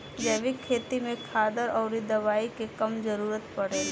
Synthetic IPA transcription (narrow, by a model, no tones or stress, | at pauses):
d͡ʒɛːʋikʰːeːt̪imẽkʰaːd̪əɾɔːɾid̪ɐʋaːikekɐmd͡ʒɐɾuːɾət̪pɐɽeː